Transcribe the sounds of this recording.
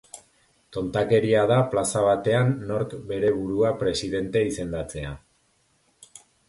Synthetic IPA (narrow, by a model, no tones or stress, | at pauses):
t̪o̞nt̪ake̞ɾiað̞aplasaβ̞at̪e̞anːo̞ɾkbe̞ɾe̞βuɾuapɾe̞siðe̞nt̪e̞ise̞nd̪at͡se̞a